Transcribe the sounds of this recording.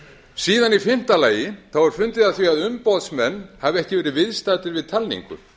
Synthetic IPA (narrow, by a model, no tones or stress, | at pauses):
siːðanifɪn̥t̪alaːjɪθawvɔɾ̥fʏnt̪ɪðaθviaðʏmpɔwðsmɛnːhavɛhcɪvɛːɾɪvɪðst̪aːt̪ɪɾvɪðt̪ʰalnḭŋkʏ̰